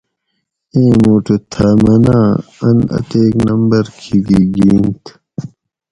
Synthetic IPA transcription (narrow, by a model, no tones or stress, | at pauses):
ẽːmuːʈet̪ʰamɐnaːɐnɐ̰t̪eːknɐmbɐɾkʰiɡiɡiːnt̪ʰ